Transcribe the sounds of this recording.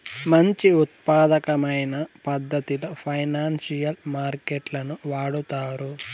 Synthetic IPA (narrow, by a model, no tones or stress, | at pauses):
mɐɲt͡ʃiut̪̚paːd̪ɐkɐmɐjnɐpɐd̪ːɐt̪ilɐpʰɐjnaːnsijɐlmaːɾkeʈlɐnuʋaːɽut̪aːɾu